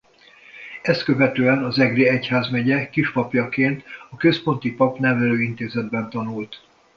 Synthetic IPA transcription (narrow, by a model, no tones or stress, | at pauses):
ɛst̪kø̞vɛt̪øːɛnɒzɛɡreɛchaːzmɛɟɛkiʃpɒpjɒkeːnt̪ɒkøspo̞nt̪ipɒpnɛvɛløːint̪eːzɛd̪bɛnt̪ɒnult̪